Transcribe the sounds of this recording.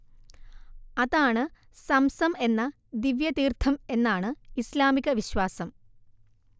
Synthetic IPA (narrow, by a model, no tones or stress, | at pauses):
ɐðaːɳɨ | sɐmsɐme̞nːɐ | d̪iʋjɐt̪iːrt̪ʰɐme̞nːaːɳɨislaːmiɣɐʋiɕʋaːsɐm